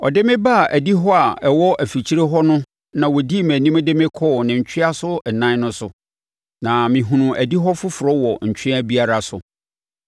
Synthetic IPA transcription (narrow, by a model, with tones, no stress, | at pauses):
ɔ̰˨dɪ˦mɪ̃˦ba˦˨ʔæ˨di˦ɦɔ˦a˨ɛ˨wɔ˦ʔæ˨fi˨t͡ɕʰi˦ɾe˦ɦɔ˦nʊ̃˦ | nã˨wɔ˨di˦˨mæ̃˨nĩ˦m˦dɪ˦mɪ̃˦kʰɔː˦˨nɪ̃˨ɲ̩˨t͡ɕʰᶣɪ˦a˦sʊ˦ɛ˨nã˦n˦nʊ̃˦sʊ˨ | nã˨mɪ̃˨ɦũ˨nũ˨ʔæ˨di˦ɦɔ˦fʊ˦fʊ˨ɾɔ˦wɔ˨ɲ̩˨t͡ɕᶣʰɪ˦æ˦bi˦a˨ɾa˨sʊ̰˨